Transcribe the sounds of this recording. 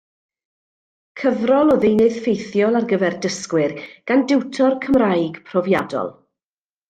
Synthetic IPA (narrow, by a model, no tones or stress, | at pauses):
kʰəvrɔlˠɔðinɨð̥fejθjɔlˠarɡəvɛrdəskwɪrɡ̥andɪwtʰɔrkʰəmrajɡpʰrɔvjadɔ̰lˠ